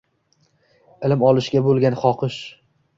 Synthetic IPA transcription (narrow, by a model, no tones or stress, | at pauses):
ɪlɪmɒlˠɪʃɡʲabolˠɡʲanχɒqʰɨʃ